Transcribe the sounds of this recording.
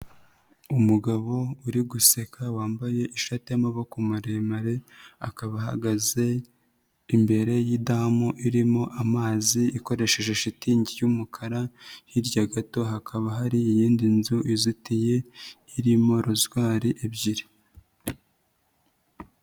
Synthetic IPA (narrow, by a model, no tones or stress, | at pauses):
umuɡaβo̞uɾiɡuse̞kʰawaːmbaje̞ʔiʃatejmaβokumuɾemaɾea̰kaβaɦa̰ɡaze̞ | imbe̞ɾe̞jidamoʔiɾimo̞ʔamaːziiko̞ɾe̞ʃe̞ʒe̞ʃitiːɲɟijumukʰaɾahiɾɟaɡato̞ɦakʰaβaɦaɾiːjiːndinzuʔizitije̞ | iɾimo̞ɾuzɡwaːɾiʔebɟiɾi